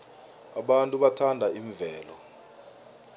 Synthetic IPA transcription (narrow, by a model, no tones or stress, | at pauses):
a̰ɓantʼuɓatʰandʱaiɱvɛːlɔ